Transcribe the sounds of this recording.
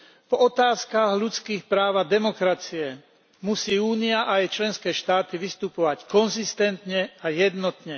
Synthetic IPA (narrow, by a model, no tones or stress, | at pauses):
vɔt̪aːskaɣʎut͡skiːxpɾaːʋad̪ɛmɔkɾat͡siɛ | musiːuːniaʔajt͡ʃlɛnskɛːʃt̪aːt̪iʋist̪upɔʋackɔnzist̪ɛnt̪ɲɛajɛd̪nɔt̪ɲɛ